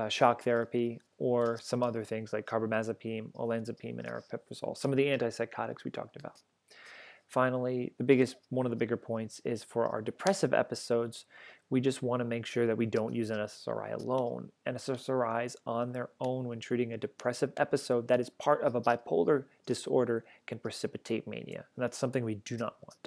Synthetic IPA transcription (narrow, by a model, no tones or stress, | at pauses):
ʃɑk̚θɛɹɨpi | ə˞sʌ̃mʌðə˞θɪ̃ŋzlaɪkʰɑɹbəmæzɨpʰĩmə̰læ̃nzɨpʰḭ̃mɨ̰̃ñɛ̰ɹɨ̰pʰɪpə˞zɔ̰lˠsʌ̃mʌvðiæ̃ntaɪsaɪkʰɑɾɨ̰kswitʰɔ̰k̚tɨba̰ʊt̚ | fãɪ̃nl̩ˠiðɨbɪɡɨst̚wʌ̃nʌvðəbɪɡə˞pʰɔ̃ɪ̃ntsɪz̥fə˞ʔa̰ʊə̰˞dɨpʰɹ̥ɛsɨvɛ̰pɨsoʊdz̥wid͡ʒʌst̚wɑ̃ntɨmeɪkʃʊɹðɨt̚widõʊ̃nʔjʉzɨ̃nɨssə̰˞a̰ɪə̰lõʊ̃nɨ̃nɨsəsə˞aɪzn̩ðə˞õʊ̃nwɨ̃ntʰɹ̥ʉɾɪ̃ŋɨdɨpʰɹ̥ɛsɨvɛpɨsoʊd̪̚ðɨɾɨz̥pʰɑɹɾʌvəbaɪpʰoʊlˠdə˞ | d̥ɨsɔ̰ɹɾə˞kʰɨ̃npʰɹ̥ɨsɪpɨtʰeɪt̚mḛɪɾḭɨ̰̃n̩ðætsʌ̃mθɪ̃ŋwidɨnə̰ʔ̚wɑ̰̃nt